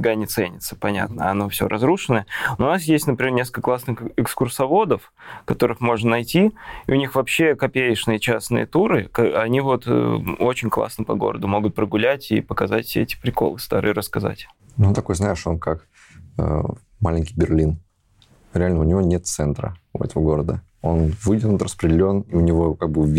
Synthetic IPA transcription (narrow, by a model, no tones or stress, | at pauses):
ɡanʲɪt̪sɛnʲɪt̪sə̥pɐnʲa̰t̪nəɐno̞fsʲo̞̰ɾʔɐzɾuʂɨnənoʊnas̬jesʲtʲnəpɾʲɪmʲenʲeskəklˠasnɨxɪkskʊrsɐvo̞d̪əf | kɐt̪o̞ɾɨxmo̞ʐnənɐjtʲiḭʊnʲixvɐpɕːe̞kɐpʲejɪʂnɨjət͡ɕasnɨ̰jə̰t̪uɾɨkɐnʲivo̞t̪ot͡ɕɪnʲklˠa̰snəpɐɡo̞̰ɾəd̪ʊmo̞ɡʊt̪̚pɾəɡʊlʲætʲḭpəkɐzatʲsʲeɛtʲɪ̥pɾʲɪko̞̰lˠɨst̪a̰ɾɨ̰jəɾəskɐza̰tʲ | nut̪ɐko̞jznajɪʂo̞nkak | ə̰ | malʲɪnʲkʲi̥jbʲɪrlʲin | ɾʲɪalʲnəʊnʲɪvo̞nʲet̪t̪sɛnt̪ɾə̰ɛ̰t̪əvəɡo̞ɾəd̪ə | o̞nvɨdʲɪnʊt̪rəspɾʲɪdʲɪlʲo̞niʊnʲɪvo̞kaɡ̚bɨ